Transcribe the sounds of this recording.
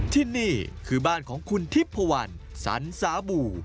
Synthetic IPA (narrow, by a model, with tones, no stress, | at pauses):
t̪ʰiː˥˩niː˥˩kʰɯː˧baː˥˩nkʰɔː˩˦ŋkʰu˧nt̪ʰi˦˥˩pʰːa˧wa˧n | sa̰˩˦nsaː˩˦buː˨˩